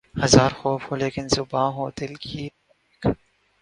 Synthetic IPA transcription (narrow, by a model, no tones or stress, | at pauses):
hɐzaːɾxoːfhoːleːkɪnzʊbãːɦoːd̪ɪlkʰiː | k